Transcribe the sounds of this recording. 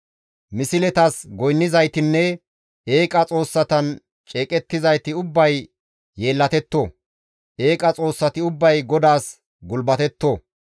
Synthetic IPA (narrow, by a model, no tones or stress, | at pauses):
mɪsɪlɛt̪ɐsɡɔjnːɪzɐjt̪ɪnːɛ | eːkʼɐt͡sʼo̞ːsːɐt̪ɐn | t͡ʃʼeːkʼɛt̪ːɪzɐjt̪ɪʊbːɐjː | e̞ːlːɐt̪ɛt̪ːo | ʔeːkʼɐt͡sʼo̞ːsːɐt̪ɪʊbːɐjɡɔd̪aːs | ɡʊlbɐt̪ɛt̪ːoː